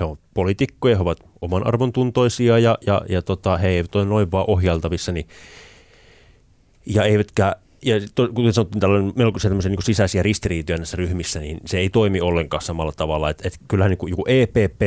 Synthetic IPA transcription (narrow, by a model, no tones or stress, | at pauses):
heopolit̪ikːojɑheoʋɑt̪ | omɑnʔɑ̰rʋont̪unt̪oisiɑjɑjɑ̰jɑt̪ot̪ɑheeiʋæt̪oinnoiʋʋɑːʔohjɑlt̪ɑʋisːɑni | jɑeiʋæt̪kæː | jɑt̪okuesɑnot̪ːiːnt̪ælːænemelkusit̪æmːseniŋkusisæsiærist̪iriːt̪yænːæisːæryhmisːænḭnseeit̪oimiolːeŋkɑːssɑmɑlːɑt̪ɑʋɑlˑːɑet̪et̪kylːhæniːŋkujokuʔeːpeːpːˑeː